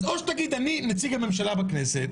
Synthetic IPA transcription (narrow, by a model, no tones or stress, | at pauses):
zoʃt̪aɡid̪animet͡siɡame̞mʃalabakneset̪